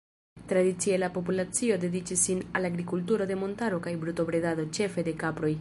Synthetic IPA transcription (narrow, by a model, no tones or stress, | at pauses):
t̪ɾadit͡sielapo̞p̬ulat͡sio̞de̞dit͡ʃisːinalaɡɾikultuɾo̞de̞mo̞ntaɾo̞kajbɾuto̞bɾe̞dado̞t͡ʃe̞fe̞de̞kapɾo̞j